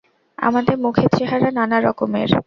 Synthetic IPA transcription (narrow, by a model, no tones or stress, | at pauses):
a̰mad̪eɾmukʰet͡ɕʰeɦaɾananaɾɔ̰komḛɾ